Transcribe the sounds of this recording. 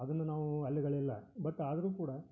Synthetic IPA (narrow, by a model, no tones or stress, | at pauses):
ɐd̪ɐnːɐnaːʋuɐlːiɡɐɭɛlːɐ̰bɐt̪ːaːd̪ɐɾuːkuːɽɐ